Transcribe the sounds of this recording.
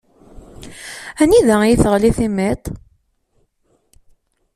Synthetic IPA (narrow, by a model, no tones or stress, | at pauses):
æniðæjiθəʁliθimet̪ˤ